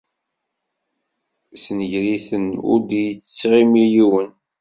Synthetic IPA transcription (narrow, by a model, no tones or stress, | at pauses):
snəʝɾiθənʊ̰ɾd̪jət͡sːt͡sːʁimijiwən